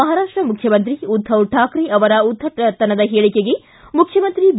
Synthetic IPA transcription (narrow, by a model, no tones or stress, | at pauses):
ɐɦaːɾaːʂʈɾɐmukʰjɐmɐnt̪̬ɾiud̪ʱʰːɐwʈʰːaːkɾiɐʋɐɾɐud̪ʱʰːɐʈɐt̪ːɐnɐd̪ɐɦeːɭikeɡe | mukʰjɐmɐnt̪ɾib